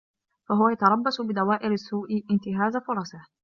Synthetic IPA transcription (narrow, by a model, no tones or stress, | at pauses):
faɦʊwajat̪ɑɾˤɑbːasʊbɪd̪awaːʔɪɾasːuːʔɪʔɪnt̪ɪɦaːzafʊɾˤɑsa